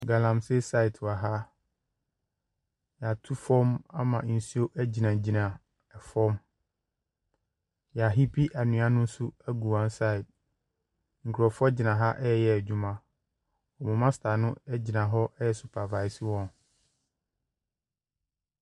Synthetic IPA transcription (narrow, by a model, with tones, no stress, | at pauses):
ɡa˨lã˨mse˦sa˦ɪ˨tʰa˨ɦa˦ | ja˨tʰu˦fɔ̃˦ma˦mã˨n̩˨si˦o˦ʔæ˦d͡ʑi˨nã˨d͡ʑi˨nã˨ | ɛ˨fɔ̃˦m | ja˨ɦi˦pʰi˦ʔa˨nũ˨˦a˦nʊ̃˦n̩˦su˦æ˦ɡu˨ã˦n˦sa˦˨ɪ˨t̚ | ŋ̩˨kʰʊ˨ɾɔ˨fɔ˦d͡ʑɪ˨nã˨ɦa˦ʔɛ˦ɛ˨jɛ˨æ˨d͡ʑᶣu˨mã˨ | ɔ˨mʊ̃˨mã˦sɪ̥˨tʰa˨nʊ̃˦ɛ˦d͡ʑɪ˨nã˨ɦɔ˦ʔɛ˦jɛ˨sʊ˨pʰa˨va˨ɪ˨si˦wɔ̃˨n